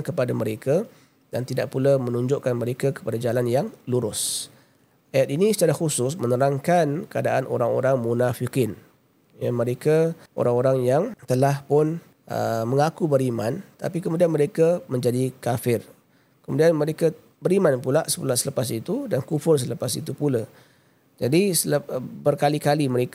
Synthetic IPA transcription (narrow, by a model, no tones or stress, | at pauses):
kəpadaməɾeka | dant̪idaʔ̚pulamənuɲd͡ʒʊʔkanməɾekakə̥padad͡ʒalanjaŋluɾʊs | ajat̪inĩsə̥t͡ʃaɾaxusʊs̬mənəɾaŋkankəadaʔano̰ɾaŋo̰ɾaŋmunafikɪn | jamə̃ɾekaʔo̰ɾaŋoɾaŋjaŋt̪əlahpʊn | ʔə̰məŋakubəɾimã̰nt̪a̰pikəmudianməɾekamə̃ɲd͡ʒadikafɪr | kəmudianmə̃ɾeka | bəɾimanpulaʔsə̥pulaʔsələpasit̪udankufʊrs̬ələpasḭt̪upula | d͡ʒadisəlbərkalikaliməɾeka